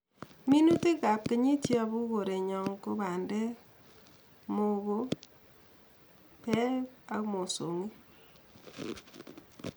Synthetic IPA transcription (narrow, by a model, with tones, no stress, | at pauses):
mi˦nu˦te˦ka˨p̚ke˦ɲi˦tjɔ˦bu˦ɣo˨ɾe˨ɲɔ˨ŋko˦ba˨ndɛ˦ | mo˦ɣo˦ | pɛ˦a˨˦mo˨so̰˨ŋi˦